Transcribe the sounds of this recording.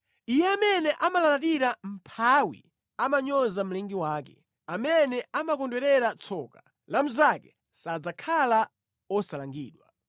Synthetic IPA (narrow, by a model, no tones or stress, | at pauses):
ijɛamɛnɛʔamalalatiɾam̩pʰawḭ | amaɲɔzam̩lɛŋɡiwaːkɛ | amɛnɛamakɔndwɛɾɛɾat͡sʰɔka | lamuzakɛ̥ | sad͡zakʰala | ɔsalaŋɡḭːɗwa